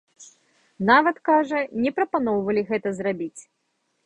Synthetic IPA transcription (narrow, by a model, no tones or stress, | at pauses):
navɐt̪kaʐɐnʲɛpɾɐpanɔwvɐlʲiɣɛt̪ɐzrabʲit͡sʲ